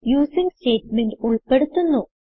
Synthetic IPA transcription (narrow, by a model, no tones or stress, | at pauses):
juːsiŋste̞ːʈmenɖuɭpe̞ɽut̪ːunːu